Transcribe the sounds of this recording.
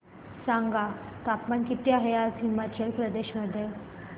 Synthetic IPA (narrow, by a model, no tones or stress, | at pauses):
saŋɡat̪apmankit̪jaɦəjat̪ʰimat͡ɕelpɾəd̪eɕməd̪ʱːje